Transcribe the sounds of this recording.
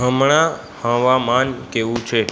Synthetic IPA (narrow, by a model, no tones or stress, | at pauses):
ɦəmɳ̃ã | hə̃ʋamankeʋũt͡ʃʰe